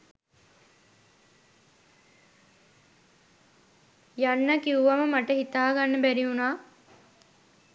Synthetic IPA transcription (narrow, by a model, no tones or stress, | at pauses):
janːɐkiuʋɐməmaʈəɦit̪aːɡanːəbæɾiunaː